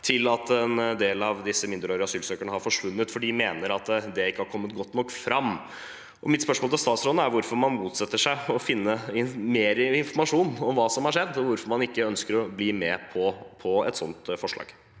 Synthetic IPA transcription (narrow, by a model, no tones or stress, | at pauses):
t̪ʰɪlɑt̪ɛnd̪eːlɑʋd̪ɪsːəmɪnd̪əɾoːɾɑsyːlsøːkəɳəhɑɾfɔʂʋʉnːət̪fɔɖɪmeːnəɾɑt̪d̪ɛɪkːəhɑɾkʰɔmːət̪ɡɔt̪ːnɔkːfɾɑmː | ʔɔmɪt̪spœʂmolt̪ɪlst̪ɑːt̪sɾoːd̪əæɾʋʊɾfɔɾmɑnmuːt̪sɛt̪ːəʂæɪɔfɪnːəɪmeːɾəɪnfɔɾmɑʂuːnɔmʋɑːsɔmhɑɾʂɛd̪ːɔʋʊɾfɔɾmɑnɪkːəœnskəɾɔbliːmɛpʰɔpʰɔɛ̰t̪sɔnt̪fɔʂɭɑ̰ːɡ̥